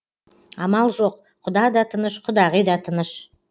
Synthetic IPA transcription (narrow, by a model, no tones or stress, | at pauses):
ɑmɑlˠʒo̞q | qʰʊd̪ɑd̪ɑt̪ʰənəʃqʰʊd̪ɑʁijd̪ɑt̪ʰənəʃ